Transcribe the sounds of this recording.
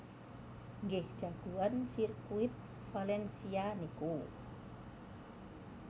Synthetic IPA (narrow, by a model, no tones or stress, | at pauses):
ŋɡɛhd͡ʒ̥aɡ̥uansirkuit̪̚ | falɛnsianiku